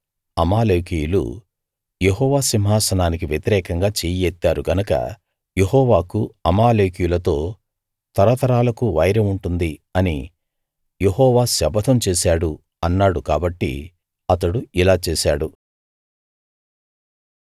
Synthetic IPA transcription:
ɐmaːleːkijulṵ | jeɦɔːʋaːsimɦaːsɐnaːnikiʋjɐt̪iɾɛːkɐŋɡaːt͡ʃeːjɛt̪ːaːɾuɡɐnɐkɐ̰ | je̞ɦɔːʋaːkuɐmaːleːkijulɐt̪o̞ː | t̪ɐɾɐt̪ɐɾaːlɐkuʋɐjɾɐmuɳʈund̪iɐni | jeɦɔːʋaːsɛbɐt̪ʰɐmt͡ʃeːsaːɽu | ɐnːaːɽukaːbɐʈːḭ | ɐt̪ɐɽuilaːt͡ʃeːsaːɽu

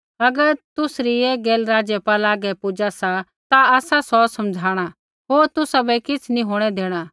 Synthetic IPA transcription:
ɐɡəɾt̪ʊsɾieɡeːlɾaːd͡ʒjepaːlaːɡɛpʊd͡ʒasa | t̪aaːsasɔsɐmd͡ʒʱaːɽ̃a | ɦoːɾt̪ʊsabɛkɪt͡sʰnĩɦoːɽ̃ɛd̪eːɽ̃a

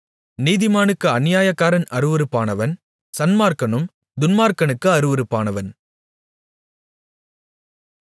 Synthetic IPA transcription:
niːðɪmaːnɯkːɯɐnɪjaːjɐkːaːɾɐnɐɾɯʋɯɾɯpːaːnɐʋɐn | sɐnmaːɾkɐnɯm | d̪ʊnmaːɾkɐnɯkːɯɐɾɯʋɯɾɯpːaːnɐʋɐn

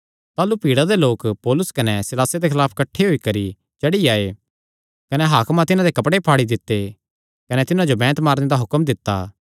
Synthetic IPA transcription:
t̪aːlupiːɽad̪eloːkpɔːlʊskɐnɛsɪlaːsed̪ekʰɪlaːpʰkɐʈʰːeɦoikɐɾi | t͡ʃɐɽiaːe | kɐnɛɦaːkmãt̪ɪnãd̪ekɐpɽepʰaːɽid̪ɪt̪ːe | kɐnɛt̪ɪnãd͡ʒobɛ̃ːt̪maːɾned̪aɦʊkəmd̪ɪt̪ːa̰ː

